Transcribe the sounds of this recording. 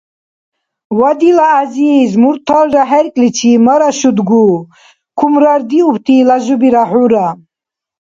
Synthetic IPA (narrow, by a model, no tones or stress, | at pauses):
wad̪ilaːzizmuɾt̪ʰalɾaɦɛɾkʼlit͡ʃʰimaɾaʃud̪ɡu | kʰumɾaɾd̪iupʰt̪ʰilaʒubiɾaħuɾa